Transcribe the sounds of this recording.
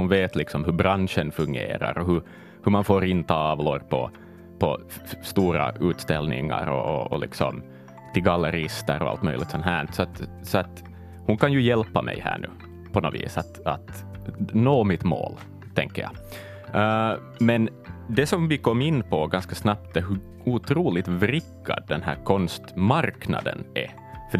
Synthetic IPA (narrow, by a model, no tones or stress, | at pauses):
hʊnveːt̪lɪksɔmɦɵbɾanʂənfɵŋɡḛːɾa̰ɾɔɦɵ | hɵmanfoːɾɪnt̪ʰɑːvlɔɾpʰɔ̰ | pʰɔ | st̪uːɾa̰ʉːt̪st̪ɛlnɪ̰ŋːa̰ɾɔ̰ɔɔlɪ̰ksɔ̰m | t̪ʰɪɡalːəɾɪst̪əɾɔa̰lt̪mœʏlɪɡt̪sɔnɦæːɳsɔat̪sɔat̪ | hʊnkʰanjʉjɛlpːamʔɛ̰jhæ̰ːɳʉ̟ː | pʰɔnoːvḭːsat̪at̪noːmɪt̪mo̰ːl | t̪ʰɛŋkːəjɑ̰ | mɛn | d̪ɛsɔmvɪkɔmːɪnːpʰɔɡɑnskasnɑp̚t̪̚ɛɦʉ | uːt̪ʰɾuːlɪt̪vɾɪkːa̰d̪ːɛnɦæ̰ːɾkʰɔnst̪maɾknɑ̰d̪ə̰nʔɛ | fœ